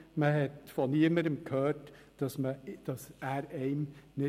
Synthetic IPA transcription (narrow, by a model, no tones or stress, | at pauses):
məɦɛtfɔniːəməɾəmkʰhøːɾt | d̥ɑsməd̥ɑsæːɾɛɪmnɪ